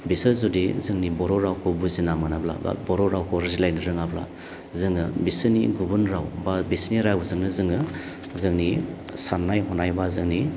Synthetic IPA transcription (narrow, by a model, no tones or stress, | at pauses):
bisɯzudizɯŋnibɔɾɔɾawkʰɔbuzinamɯnabla̰ba̰bɔɾɔɾawkʰɔɾɯzilajnɯɾɯŋabla̰ | zɯŋɯbisɯnḭɡubunɾawbabisniɾaɡuzɯŋnɯzɯŋɯ | zɯŋni | sanːajɦɔnajbazɯŋni